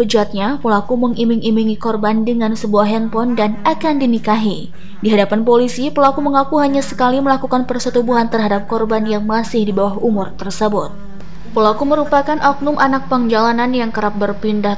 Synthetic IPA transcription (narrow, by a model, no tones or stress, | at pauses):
pəd͡ʒuat̪̚ɲapəlakuməŋimɪŋimiŋikɔrbandəŋansəbuaɦɛnpɔndanakandinikaɦi | diɦadapanpolisipəlakuməŋakuɦaɲasə̥kaliməlakukanpərsət̪ubuɦant̪ərɦadap̚kɔrbanjaŋmasɪhdibawahumʊrt̪ərsəbʊt̪̚ | pəlakuməɾupakanʔɔk̚nʊmʔanak̚pəŋd͡ʒalananjaŋkəɾap̚bərpindah